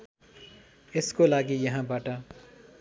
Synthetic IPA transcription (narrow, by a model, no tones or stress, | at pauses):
ɪskolaːɡijɐɦãbaːʈa